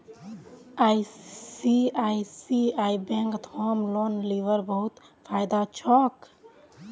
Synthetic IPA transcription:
aːisiaisiaːibẽŋkt̪hoːmloːnliʋəɾbəɦʊt̪ | fʰaːɪd̪at͡ʃʰɔːk

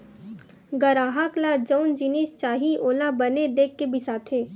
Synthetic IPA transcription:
ɡəɾaːɦaklad͡ʒəʊnd͡ʒinist͡ʃaːɦiʔoːlabɐned̪eːkʰːebʱisaːt̪ʰeː

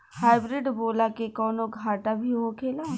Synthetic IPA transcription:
haːɪbɾɪɖboːlakekɔːnoɡʱaːʈabʱiɦokʰeːlaː

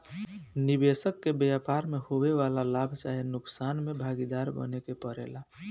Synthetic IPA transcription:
nibesəkːebjapaɾmehoweʋalalabʱt͡ʃaɦinʊksaːnmebʱaɡid̪aɾbə̰nekepəɾḛla

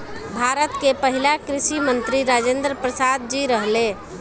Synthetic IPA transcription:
bʱaɾət̪kepəɦilakɾiʃimənt̪ɾiɾad͡ʒend̪ɾəpɾəsad̪̚d͡ʒiɾəɦle

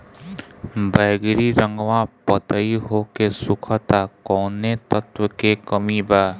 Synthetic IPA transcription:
bəjɡɾiɾə̃ŋɡʋãpət̪əiɦokesukʰət̪akɔnet̪ət̪wəkekəmiba

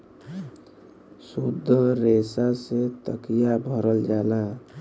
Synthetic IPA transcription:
sud̪ʱːəɾesaset̪ə̰kijabʱəɾəld͡ʒaːla

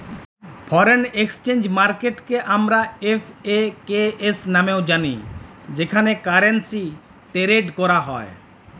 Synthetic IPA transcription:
pʰɔɾenekst͡ʃend͡ʒmaɾkeʈkeʔamɾaepʰekeesnameʊd͡ʒanḭd͡ʒekʰanekaɾensi | ʈeɾeɖkɔɾaɦɔe

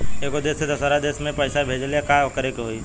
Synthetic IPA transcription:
eːkod̪eːsed̪ɐsəɾad̪eːsmẽpəɪsabʱeːd͡ʒlekakəɾekɦoi

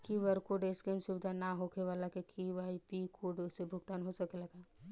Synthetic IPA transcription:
kiʋəɾkoɖeskensubd̪ʱanaɦokʰeʋalakekʰiʋaipikʰoːɾɖsebʱʊɡt̪aːnɦosəkeləɡa

